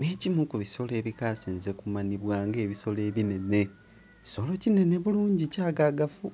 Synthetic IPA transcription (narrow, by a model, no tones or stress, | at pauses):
neːcimukuβiso̞le̞ːβikaːseːnzekumaniβwaːŋɡe̞ːβiso̞le̞ːβine̞ne̞ | csolo̞cine̞neβuluːɲɟicaːɡaɡafu